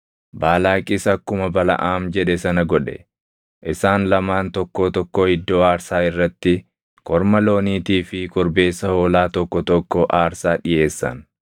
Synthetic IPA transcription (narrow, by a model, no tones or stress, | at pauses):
baːlaːkʼɪsɐkːʊmɐbɐlɐ̰ʔaːmd͡ʒɛᶑɛsɐnɐɡɔᶑɛ̰ | ʔɪsaːnlɐmaːnt̪ɔkːoːt̪ɔkːoːhɪd̪ːo̞ːaːɾsaːɪrːɐt̪ːɪ | kɔɾmɐlo̞ːniːt̪iːfɪkʼʊɾbe̞ːsːɐhoːlaːt̪ɔkːɔt̪ɔkːɔʔaːɾsaːᶑɪje̞ːsːɐ̰n